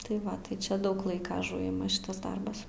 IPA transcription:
tɐɪ ˈʋɐ tɐɪ ˈt͡ʃʲɛ ˈdɐʊk ˈlˠɐɪkɐ ɐˈʒʊɪmɐ ˈʃʲɪtɐs ˈdɐrbɐs

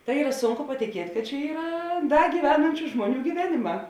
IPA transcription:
tɐɪ ˈiːrɐ ˈsʊŋkʊ pɐtʲɪˈkʲiɛtʲ kɐt t͡ʃʲɛ ˈiːrɐ ˈdɐ ɡʲiːʋʲɛˈnɐnʲt͡ʃʲʊ ˈʒmuɔˌnʲuː ɡʲiːˈʋʲæːnʲɪˌmɑː

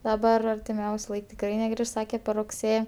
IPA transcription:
dɐˈbɐr ɐrʲtʲɪˈmʲɛʊsʲʊ ˈlˠɐɪk tʲɪkˈrɐɪ nʲɛˈɡrʲɪʃ ˈsɑːkʲɛ pʲɛr rʊkˈsʲeː

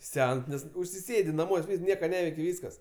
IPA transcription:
ˈsʲɛns ˈnʲɛs ʊʃʲsʲɪˈsʲeːdʲɪ nɐˈmuɔsʲ ˈʋʲiːs ˈnʲiɛkɐ ˈnʲæːʋʲɛɪkʲɪ ˈʋʲiːskɐs

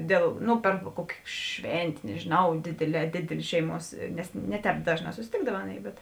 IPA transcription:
ˈdʲeːlˠ ˈnʊ pʲɛr ˈkuɔkʲeː ˈʃʲʋʲɛnʲtʲeː nʲɛʒʲɪˈnɐʊ ˈdʲeːdʲeːˌlʲɛː ˈdʲeːdʲeːlʲeː ˈʃʲɛɪˌmuɔs nʲɛs ˈnʲɛ ˌtʲɛːp ˈdɑːʒˌnɑː sʊsʲɪˈtʲeːɡdɐw ˈɑːˌnʲeːɪ bʲɛt

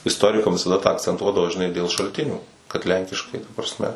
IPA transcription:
ɪsˈtoːrʲɪkɐm ʋʲɪsɐˈdɐ tɑː ɐkt͡sʲɛnˈtuɔdɐʋoː ʒʲɪˈnɐɪ dʲeːlˠ ʃɐlʲˈtʲɪnʲuː kɐt ˈlʲɛŋʲkʲɪʃkɐɪ tɐ prɐsʲˈmʲɛ

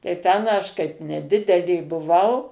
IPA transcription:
tɐɪ ˈtʲɛn ɐʃ kɐɪp nʲɛˈdʲɪdʲɛlʲeː bʊˈʋɐʊ

